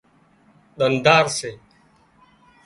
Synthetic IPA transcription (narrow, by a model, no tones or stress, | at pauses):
ɗ̪ənd̪aːɾseː